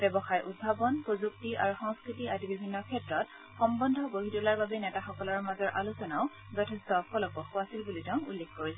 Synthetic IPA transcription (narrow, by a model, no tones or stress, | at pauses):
bɛbɔxajʔud̚bʱabɔnpɹozuk̚tiʔa̰ɹuxɔŋskɹitiatibibʱinːɔkʰɛtɹɔt | xɔmbɔndʱɔboɦitulaɹbabɛnɛtaxɔkɔlɔɹmazɔɹʔalusɔnaʊ | zɔtʰɛstɔkɔlɔkɔxuasilbulitɛʊ̃ulːekʰkoɹisɛ